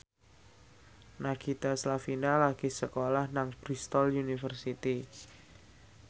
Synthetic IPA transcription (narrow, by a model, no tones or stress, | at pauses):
naɡit̪aslafinalaɡ̥isəkolahnaŋb̥ɾist̪ɔljunifərsit̪i